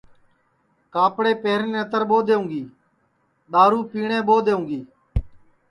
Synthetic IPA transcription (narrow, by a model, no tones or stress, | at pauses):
kaːpɽeːpeːɾnẽːət̪əɾɓoːd̪eːũːŋɡiː | ɗ̪aːɾuːpiːɳẽːɓoːd̪eːũːɡiː